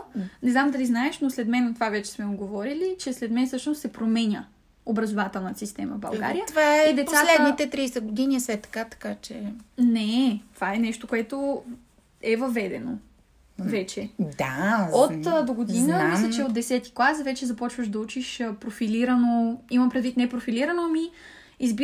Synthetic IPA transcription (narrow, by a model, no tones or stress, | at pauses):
nɛznamd̪ɐliznaɛʃnoslɛd̪mɛnɐt̪ovavɛt͡ʃɛ̥smɛoɡovɔɾilit͡ʃɛslɛd̪mɛnsɤʃnost̪sɛpɾomɛnʲə | obɾɐzovat̪ɛlˠnət̪ə̥sist̪ɛmə̰vbɐ̰lˠɡa̰ɾijət̪ovaɛid̪ɛt̪pssat̪lɛd̪nit̪ɛt̪ɾijsɛɡod̪iniɛsɛt̪ːɐ̥kat̪ɐ̥kat͡ʃɛnɛt̪ovaɛnɛʃt̪okoʊɛt̪o | ɛvɐvɛd̪ɛno̰ | vɛt͡ʃɛd̪aot̪d̪oɡod̪inəmislʲɛt͡ʃɛot̪d̪ɛsɛt̪i̥klˠasvɛt͡ʃɛzɐpɔt͡ʃvəʃd̪ɐut͡ʃiʃpɾofiliɾɐnoimɐmpɾɛd̪vit̪nɛpɾofiliɾɐnomi | izbi